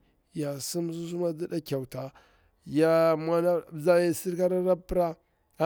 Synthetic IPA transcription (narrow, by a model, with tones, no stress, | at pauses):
ja˨si˦m˦su˦s̬u˦ma˦di˦da˦kʲa˨wu˨ta˨ | ja˦ma˦na˦˨za˦ja˨si˦ɾka˦ɾa˦ɾa˦pɾa˦